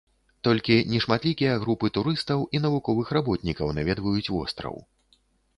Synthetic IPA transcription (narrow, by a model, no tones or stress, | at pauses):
t̪ɔlʲkʲinʲɛʂmat̪lʲikʲijɐɣɾupɨt̪uɾɨst̪ɐwʔin̪ɐvukɔvɨxɾabɔt̪nʲikɐwnavʲɛd̪vɐjut͡sʲvɔ̰st̪ɾɐ̰w̰